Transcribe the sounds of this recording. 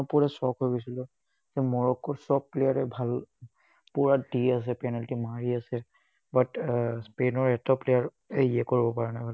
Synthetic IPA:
puɹɛsɔkɦojɡosilɔ | zɛmɔɹɔkɔɹsɔb̚plejaɹɛbʱal | puɹadias̬ɛpɛnaltimaɹiasɛ | batspenɔɹɛtɔplejaɹ | ɛiɛkoɹibɔpaɹɛnajbʱal

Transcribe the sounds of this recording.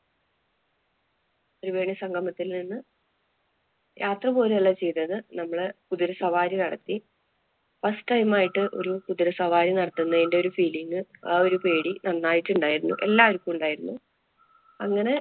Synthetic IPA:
ɐɾuʋe̞ːɳjɐsɐŋɡʱɐmɐt̪ːilninːɨ | jʔaːt̪rɐpo̞ːleɐlːɐt͡ɕe̞jt̪ɐðɨnɐmːɐɭkuðiɾɐsɐʋaːɾjinɐɽɐt̪ːi | fɐsʈɐjmaːjiʈːɨʔo̞̰ɾukuðiɾɐsɐʋaːɾjinɐɽɐt̪ːunːɐðinde̞o̞ɾufiːliŋɡɨo̞ɾupe̞ːɽinɐnːaːjiʈːuɳɖaːjiɾunːṵʔe̞lːaːʋɐɾukʲːumuɳɖaːjiɾunːu | ɐŋːɐne̞

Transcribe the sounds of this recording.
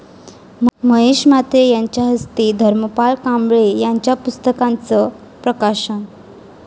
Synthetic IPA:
mməɦeɕmat̪ɾejaɲt͡ɕjaɦəst̪iːd̪ʱəɾməpaɭkãmbɭejaɲt͡ɕjapust̪əkãnt͡sə | pɾəkaɕə

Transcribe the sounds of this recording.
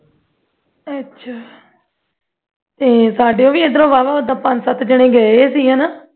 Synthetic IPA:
ətːʃʰaː | t̪eːsaːɖeːõːʋiːɪd̪əɾõːʋaːʋaːəd̪ãːpə̃nd͡ʒsət̪ʰd͡ʒəɽ̃ẽːɡəeːsiːɦãːnaː

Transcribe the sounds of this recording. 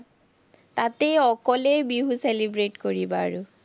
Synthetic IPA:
tatejɔkɔlejbiɦuselibɹetkoɹibaɹʊ

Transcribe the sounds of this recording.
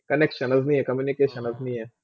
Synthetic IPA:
kɔnɛkʃɔnaznijɛkɔmjunikeʃɔnaznijɛ

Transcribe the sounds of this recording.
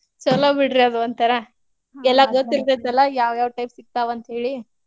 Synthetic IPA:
t͡ʃɐlɐbiɽɾiɐd̪uɐnt̪ɐɾe | ɛlːɐɡot̪ːiɾd̪et̪ɐlːɐjaːʋjaːʋʈɐjpsiɡ̚t̪aːʋɐnt̪ɐɦe̞ːɭi

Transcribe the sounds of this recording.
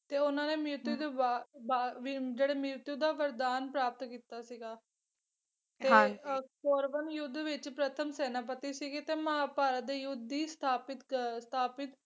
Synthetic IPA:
t̪eːʊnãːneːmɪɾt̪ud̪ebaːbaːd͡ʒeːɽeːmɪɾt̪uːd̪aːʋəɾd̪aːnpɾaːp̚t̪kiːt̪aːsiːɡaː | ekɔːɾʋənjʊd̪ʋɪt͡ʃpɾət̪ʰəmsɛːnaːp̬ət̪iːsiːɡiːt̪eːməaːpaːɾaːd̪eːjʊd̪ːiːst̪ʰaːpɪt̪st̪ʰaːpɪt̪

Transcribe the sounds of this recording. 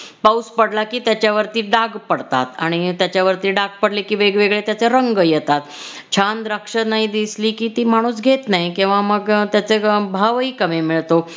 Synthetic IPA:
pauspəɽlakiːt̪jat͡ɕjaʋəɾt̪iːɖaɡpəɽt̪a̰t̪aɽ̃it̪jat͡ɕjaʋəɾt̪iːɖaɡ̚pəɽlekiːʋeɡʋeɡɭet̪jat͡seɾəŋɡəjɛt̪at̪ | t͡ɕʰand̪ɾəkʂənaɦid̪isliːkiːt̪iːm̤aɽ̃ũːsɡʱet̪naɦjikĩw̃ʋaməɡt̪jat͡sebʱaʋiːkəmemiɭt̪o

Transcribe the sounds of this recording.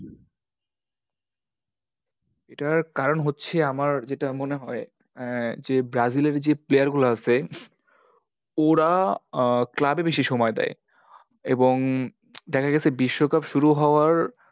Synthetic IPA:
eʈaɾkaɾonɦotːɕʰeamaɾd͡ʑeʈamoneɦɔe | d͡ʑebɾad͡ʑileɾd͡ʑeplejaɾɡulaasʰe | oɾa | klabebeʃiʃomɔed̪ɛ̰e | eboŋ | d̪ɛkʰaɡɛsʰebiʃːokapʃuɾuɦɔoaɾ

